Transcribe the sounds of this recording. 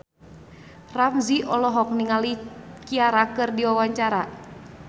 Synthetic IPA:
ramziʔɔlɔɦɔk̚niŋalikiaɾakɨrdiwawaɲt͡ʃaɾa

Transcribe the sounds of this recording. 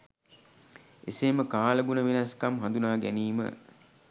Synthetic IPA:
eseːməkaːləɡunəʋenɐskamɦand̪unaːɡæ̰niːmə̰

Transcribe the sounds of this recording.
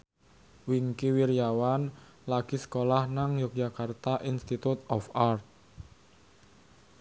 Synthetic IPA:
wiŋkiwiɾijawan | laɡ̥i̤sə̥kolahnaŋjɔk̚dd͡ʒakart̪aʔinst̪it̪ut̪ɔfart̪̚

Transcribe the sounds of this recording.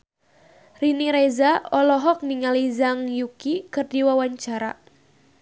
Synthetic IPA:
riniɾezaɔlɔɦɔk̚niŋalizaŋjukikɨrdiwawaɲt͡ʃaɾa

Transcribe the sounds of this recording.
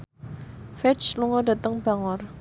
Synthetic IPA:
fɛsluŋɔdat̪əŋbaŋɔr

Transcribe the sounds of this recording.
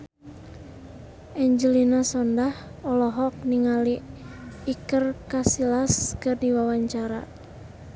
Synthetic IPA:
ʔɛɲd͡ʒəlinasɔndahɔlɔɦɔk̚niŋaliː | kərkasilaskɨrdiwawaɲt͡ʃaɾa̰

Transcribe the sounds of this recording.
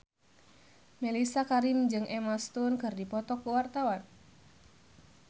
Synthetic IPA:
mɛlisakaɾimd͡ʒɨŋʔɛmast̪unkɨrdipɔt̪ɔkuwart̪awan

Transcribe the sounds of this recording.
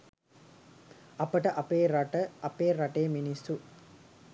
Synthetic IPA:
ɐpəʈəʔɐpeːɾaʈəɐpeːɾaʈejəminisːu

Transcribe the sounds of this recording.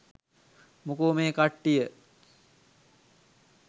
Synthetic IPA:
mukuːmeːkaʈːijə

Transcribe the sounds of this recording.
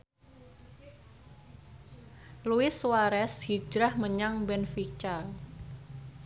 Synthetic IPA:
luɪswaɾɛshi̥d͡ʒɾahməɲaŋbɛnfit͡ʃa

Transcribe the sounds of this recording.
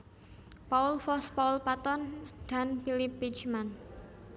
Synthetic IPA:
paulfɔspaulpat̪ɔnd̪̥a̤nfilɪpːit͡ʃman

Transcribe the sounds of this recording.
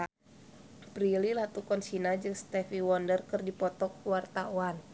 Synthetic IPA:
pɾililat̪ukɔnsinad͡ʒɨŋst̪ɛfiwɔndərkɨrdipɔt̪ɔkwart̪auan

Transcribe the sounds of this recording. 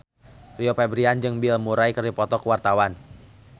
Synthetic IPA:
riopɛbɾiand͡ʒɨŋbilmuɾajkərdipɔt̪ɔkəwart̪awan

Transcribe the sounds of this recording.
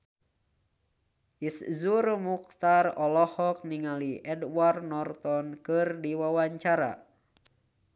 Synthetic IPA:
ʔiszurmuk̚t̪arɔlɔhɔk̚niŋaliʔɛdwarnɔrt̪ɔnkɨrdiwawaɲt͡ʃaɾa̰

